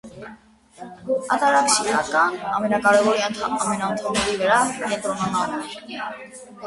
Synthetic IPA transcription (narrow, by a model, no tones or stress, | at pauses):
ɑ̰t̪ɑɾɑkʃiɾɑ̰kɑnɑ̰mɛnɑkɑɾɛvɔɾiɑnt̪ʰɑmɛnɑənt̪ʰɔmnɛɾivəɾɑkɛnt̪ɾɔnɑnɑn